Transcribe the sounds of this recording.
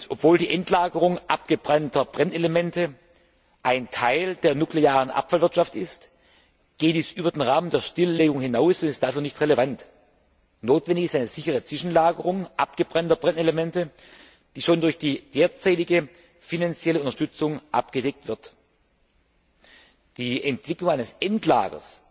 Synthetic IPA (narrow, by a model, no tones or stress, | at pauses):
ʔɔpv̥oːldiːʔɛntlaːɡəʁ̞ʊŋʔap̚ɡ̥əb̥ʁantɐb̥ʁɛnelemɛntə | ʔaɪntʰaɪld̥eːɐnukleaːʁənʔa̰pfalvɪɐtʃaftɪ̰st | ɡ̥eːd̥iːsʔyːbɐdeːnʁaːməndeːɐʃtɪlːeːɡʊŋhɪnaʊsʊntɪst̚d̥afyːɐnɪçtʁɛlevant | noːtv̥ɛndɪçɪstaɪnəz̥ɪçəʁ̞ət͡sv̥ɪʃn̩laːɡəʁʊŋʔapɡ̥əbʁantɐbʁɛnelemɛntə | d̥iːʃoːndʊɐçd̥iːd̥eːɐt͡saɪtɪɡə | finant͡sjɛləʔʊntɐʃtʏt͡sʊŋʔa̰pɡ̥ədɛk̚tv̥ɪɐt | d̥iːʔɛntv̥ɪklʊŋaɪnəsʔɛntla̰ːɡɐ̰s